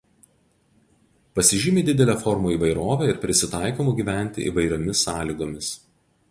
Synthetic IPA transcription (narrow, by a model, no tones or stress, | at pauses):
pɐsʲɪʒʲɪmʲeːd̪ʲɪd̪ʲɛlʲæːfɔɾmoːiːˑʋɐɪɾoːʋʲæˑɪɾpʲɾʲɪsʲɪt̪ɑˑɪkoːmʊɡʲiːʋʲæˑnʲt̪ʲɪ̰ʔḭʋɐɪɾʲoːmʲɪsɑːlʲiɡoːmʲɪs